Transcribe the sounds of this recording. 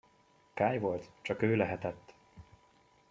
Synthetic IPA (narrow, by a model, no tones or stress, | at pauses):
kaːjvo̞lt̪t͡ʃɒkøːlɛɦɛt̪ɛt̪ː